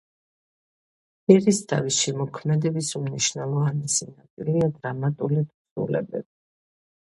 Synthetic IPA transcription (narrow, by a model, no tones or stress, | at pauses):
ɛɾist̪ʰa̰visʃɛmɔkʰmɛd̪ɛbisumniʃnɛlˠɔvanisinat̪sʼiliad̪ɾamat̪ʼulid̪sṵlɛ̰bɛ̰bi